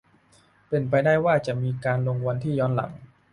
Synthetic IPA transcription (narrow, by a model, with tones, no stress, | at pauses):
pe˧np̬a˧jdaː˥˩jwaː˥˩t͡ɕa˨˩ʔmiː˧kaː˧nloː˧ŋwa˧nt̪ʰiː˥˩jɔː˦˥nla̰˩˦ŋ